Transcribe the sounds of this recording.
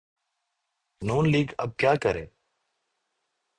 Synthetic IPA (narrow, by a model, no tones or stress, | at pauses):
nuːnliːɡəb̚kjaːkəɾeː